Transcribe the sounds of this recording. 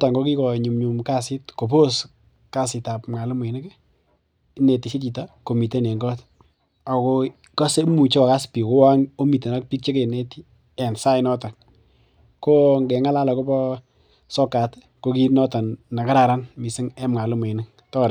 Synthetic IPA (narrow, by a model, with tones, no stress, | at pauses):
ta˨ŋɡo˦ki˦kɔ˨ɲu˨mɲu˨mka˦sɪ˦tko˨po˦s | ka˦sɪ˨ta˨pmŋa˨lu˦mwe˨nɪ˦k | ne˨ti˨si˦ti˨ta˦ko˨mi˨te˦ne˨ŋɡɔ˦t | a˨ko˦ | ka˦se˦mu˨t͡ʃe˦kɔ˨ka˦spi˨ko˦wa˦ŋo˦mi˨te˨na˦k̚pi˦k̚t͡ʃe˦ke˨ne˦ti˦ | ɛ˨nsa˦ɪ˦nɔ˦ta˨ | ko˦ŋɡɛ˨ŋa˦la˦la˨ko˦pɔ˦ | sɔ˦ka˨t | ko˦ki˦nɔ˦ta˨nːa˨ka˦ɾa˨ɾa˦nmi˨sɪ˦ŋɛ˦mŋa˨lʊ˦me˨nɪ˦k | tɔ˦ɾ